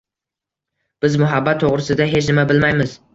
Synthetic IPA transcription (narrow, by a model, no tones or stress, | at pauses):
b̥ɪzmʊɦabːat̪ʰːoʁɾɪsɪd̪aɦe̞t͡ʃʰnɪmabɪlmajmɪz